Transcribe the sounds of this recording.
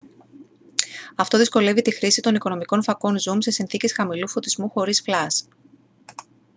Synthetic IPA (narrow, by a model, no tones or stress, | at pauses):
ɐft̪o̞ðisko̞le̞vit̪ixɾisit̪o̞niko̞no̞miko̞nfɐko̞nzumse̞sinθice̞sxɐmilufo̞t̪izmuxo̞ɾisflɐs